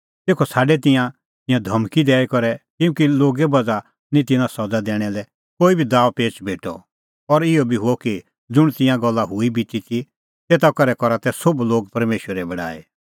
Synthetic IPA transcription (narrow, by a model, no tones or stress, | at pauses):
t̪eːkʰɔsaːɖɛt̪ɪ̃jã | t̪ɪ̃jãd̪ʱɐmkid̪ɛːikɔɾɛkɪjũːkiloːɡɛbɐd͡za | nĩt̪ɪnãsɐd͡zad̪ɛːɽ̃ɛlɛ | koːibʱid̪aːʋpeːt͡ʃbʱeːʈɔ̰ | ɔɾɪɔbʱiɦʊɔki | d͡zʊɽ̃t̪ɪ̃jãɡɔlːaɦʊibit̪it̪ʰi | t̪eːt̪akɐɾɛkɔɾat̪ɛsʊbloːɡ̚pɐɾmeːʃwəɾɛbɐɽa̰ːḛ